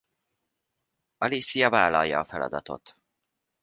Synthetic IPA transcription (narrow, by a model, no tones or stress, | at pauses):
ɒlisijɒvaːlɒlːɒːfɛlɒ̰d̪ɒt̪o̞̰t̪